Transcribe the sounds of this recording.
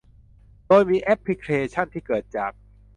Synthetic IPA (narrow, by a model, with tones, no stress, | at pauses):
doː˧jmiː˧ʔɛ˦˥pʰːɾi˦˧˥kʰɾeː˧t͡ɕʰa˥˩nt̪ʰiː˥˩kɤː˨˩t̪̚t͡ɕaː˨˩k̚